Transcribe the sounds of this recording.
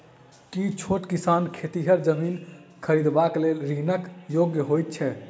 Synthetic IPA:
kit͡ʃʰoʈkisankʰet̪iɦəɾd͡ʒəminkʰəɾid̪baklelɾinəkjoɡjəɦojt̪̚t͡ʃʰɛ

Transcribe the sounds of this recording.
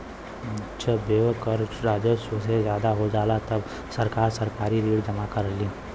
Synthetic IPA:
ʃʰəbeːʋəkəɾɾaːd͡ʒəssezjaːd̪aɦod͡ʒaːlat̪ɐb | sɐɾkaːɾsɐɾkaːɾiɾiːɽd͡ʒɐmakɐɾliː

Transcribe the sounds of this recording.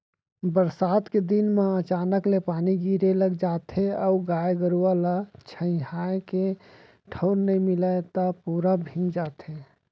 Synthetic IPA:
bəɾsaːt̪ked̪inmeət͡ʃaːnəklepaːniɡiɾeləɡd͡ʒat̪ʰeəuɡajeɡəɾualat͡ʃʰə̃ɪ̃ɦaeke | ʈʰəʊɾnəĩmilaet̪əpuɾabʱĩd͡ʒat̪ʰe

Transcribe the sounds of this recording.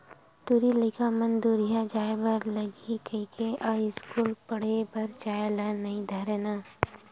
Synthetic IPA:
ʈuɾilɪkʰamɐnd̪uɾijad͡ʒaːjbɐɾlɐɡikʰəɪkʰeʔɔːɪskuːlpɐɽ̤ebɐɾt͡ʃaːjlanɐĩd̪ʱɐɾnaː

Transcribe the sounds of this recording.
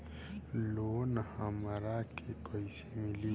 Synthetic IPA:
lonahamaɾakʰekɔisemili

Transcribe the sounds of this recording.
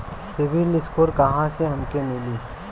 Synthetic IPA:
sɪʋɪlɪskoːɾkɐɦãseɦɐmkemɪliː

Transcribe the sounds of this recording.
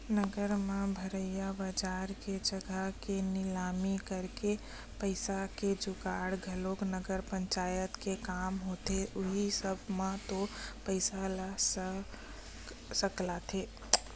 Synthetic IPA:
nəɡəɾmẽbʱəɾəɪjabəd͡ʒaːɾked͡ʒəɡʱəkenɪlaːmikəɾke | pəɪsaked͡ʒʊɡaːɽɡʱəloknəɡəɾpə̃ɲt͡ʃaːjət̪kekaːmɦoːt̪eʊɦisəbʱmãt̪opəɪsalas | səklat̪ʰeː

